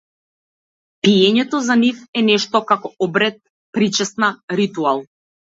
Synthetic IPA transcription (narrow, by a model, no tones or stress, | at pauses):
piɛɲɛt̪ɔzanifɛnɛʃt̪ɔkakɔɔbɾɛt̪̚ | pɾit͡ʃɛsnaɾit̪ualˠ